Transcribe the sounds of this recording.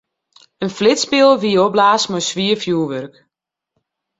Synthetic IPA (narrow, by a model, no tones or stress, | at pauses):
ənflɪtspɪlˠʋiəoblaːsmɔsʋiəfjuːəʋørk